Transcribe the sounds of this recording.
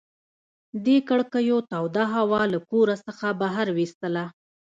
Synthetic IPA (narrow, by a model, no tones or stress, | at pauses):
d̪ekəɽkəjot̪ɑwd̪aɦawɑlakoɾasəxabaɦaɾwist̪əla